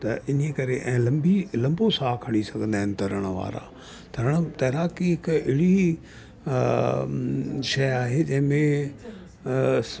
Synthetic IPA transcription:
t̪ɐʔɪniekɐɾeʔɛ̃ːlɐ̃mbilɐ̃mbosaːkʰɐɽ̃isɐɡʱə̃nd̪aːɦɪ̃nɪt̪ɐɾəɽ̃ʋa̰ːɾa̰ː | t̪ʰɐɾəɽ̃t̪ɐɦɾaːkiɦɪkɪɽi | ʃɐjaːɦed͡ʑɐ̃ɦɪ̃mẽ

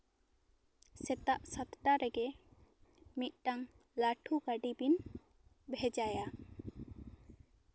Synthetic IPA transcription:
sɛt̪aʔsat̪ʈaɾɛɡɛ | mit̪̚ˀʈaŋ | laʈʰuɡaɖibin | bʱɛd͡ʒaja

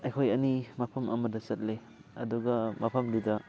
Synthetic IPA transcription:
ɐjkʰojɐnimɐpʰɐmʔɐ̰mɐdɐsɐt̚le | ɐ̰duɡɐmɐpʰɐmdidɐ

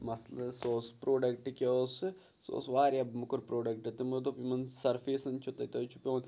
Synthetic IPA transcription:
mɐslɐsoːspɾoːɖɐkʈkeosɨ | so̰ːsʋaːɾʲɐbmukuɾpɾoːɖɐkʈɐt̪ɐmɐt̪opimɐnsɐɾfʰeːsɐnt͡ʃʰut̪ɐt̪ɐt͡ʃʰu̥pʲõːn

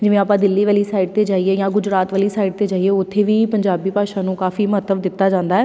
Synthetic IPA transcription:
d͡ʒɪʋẽːaːpãːd̪ɪlːiːʋaːliːsaːɪɖ̚t̪eːd͡ʒaːiːeːjãːɡʊd͡ʒɾaːt̪ʋaːliːsaːiːɖ̚t̪eːd͡ʒaːieːʊt̪ʰːeːʋiːpəɲd͡ʒaːbiːpaːʃãːnũːkaːfiːməɦət̪ːəʋd̪ɪt̪ːaːd͡ʒãːnd̪aːɦɛː

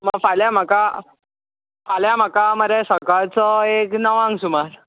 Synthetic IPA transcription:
məɡfaljam̤aka | faljam̤akaməɾesəkaɭt͡sɔeknəʋãŋɡsumaɾ

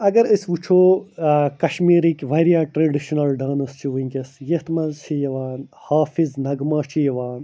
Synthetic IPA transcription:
ɐɡɐɾɐsʋut͡ʃʰoːkɐʃmiːɾikʲʋɐɾijaːʈɾeːɖiʃunɐlɖaːnɐst͡ʃʰiʋiŋkʲɐsjɐht̪mɐzt͡ʃʰijɐʋaːnhaːfiznɐɡmaːt͡ʃʰijɐʋaːn

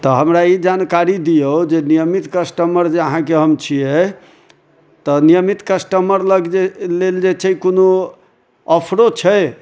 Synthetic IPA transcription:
t̪ɔɦəmɾaid͡ʒankaɾid̪ijəod͡ʒenijəmit̪kəsʈəməɾd͡ʒeəɦãkeɦəmt͡ʃʰijɛ | t̪ɔnijəmit̪kəsʈəməɾləɡeleld͡ʒet͡ʃʰɛkono | əpʰɾot͡ʃʰə

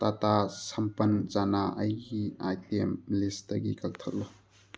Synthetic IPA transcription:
t̪atasɐmpənzanaɐjɡiajtʰemlistɐ̰ɡḭkɐk̚t̪ʰəʔ̚lɔ

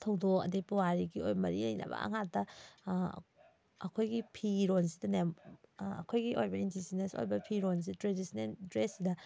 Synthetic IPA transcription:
tʰɐwdɔkɐ̰dipuwaɾiɡiojmɐɾilɐjnɐ̰bɐ̰ɐ̰ŋatːɐ | ɐkʰojɡipʰiɾonsi̥dɐnemɐ̰kʰojɡiʔojbɐindisineso̰jbɐpʰiɾons̬itɾedisneldɾesːidɐ

